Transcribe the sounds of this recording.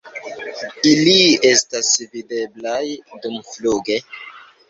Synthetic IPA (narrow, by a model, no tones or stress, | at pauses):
ilie̞stasvide̞blajdumfluɡe̞